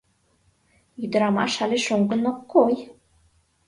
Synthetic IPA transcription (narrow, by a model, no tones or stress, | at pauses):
yd̪ə̆ɾɑmɑ̰ʃɑlʲeʃoŋɡɤ̆nokːoj